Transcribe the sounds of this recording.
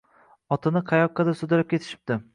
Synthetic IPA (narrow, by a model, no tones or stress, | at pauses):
ɒt̪ʰɪnɪqʰɑjɒqʰːɑd̪asʊd̪ɪlap̚kʲʰe̞t̪ʰɪ̥ʃɪ̥p̚d̪̥ɪ